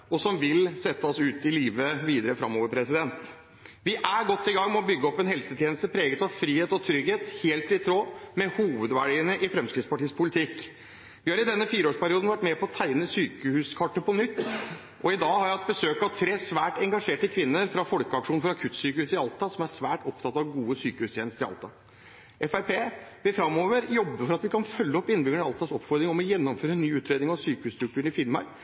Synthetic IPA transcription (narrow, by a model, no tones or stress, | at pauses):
ɔsɔmʋɪlsɛt̪ːəɔsʉːt̪ɪliːʋəʋiːd̪əɾəfɾɑ̰mːoːʋəɾpʰɾɛsɪd̪ɛnt̪ | ʋɪʔæɾɡɔt̪ːɪɡɑŋmɛɔbʏɡːəɔpːɛnhɛlsət̪ʰjeːnəst̪əpʰɾeːɡət̪ɑʋfɾiːheːt̪ɔt̪ʰɾʏɡheːt̪heːlt̪ɪt̪ʰɾoːmɛhuːʋəd̪ʋæɖiːənəʔɪfɾɛmskɾɪd̪spʰɑʈʰiːspʰʊlɪt̪ʰɪk | ʋɪhɑɾɪd̪ɛnːəfiːɾoːʂpʰæɾɪuːd̪n̩ʋæʈːmɛpʰɔɔt̪ʰæɪnəsyːkəhʉːskʰɑʈːəpɔnʏt̪ː | ʔɔɪd̪ɑːhɑɾæɑt̪̚bəsøːkɑʋt̪ʰɾeːsʋæːʈɛŋɡɑʂeːʈəkʰʋɪnːəɾfɾɑfɔlkəɑkʂuːnfɔɾɑkʰʉt̪ːsyːkəʉːsɪɑlt̪ɑsɔmæɾsʋæːʈɔpt̪ʰɑt̪ːɑʋɡuːəsyːkəhʉːst̪ʰjeːnəst̪əɾɪɑ̰lt̪ɑ | ʔɛfæɪɾpʰeːʋɪlfɾɑmːoːʋəɾjɔbːəfɔɾɑt̪ʋɪkʰɑnfœlːəɔpːɪnːbʏɡəɳɑlt̪ʰɑsɔpːfɔɾd̪ɾɪŋɔmɔjɛnːɔmføːɾənːyːʉːt̪ɾeːd̪ɪŋɑʋsyːkəʉːst̪ɾʉk̚t̪ʰʉːɳɪfɪlmɑ̰ɾ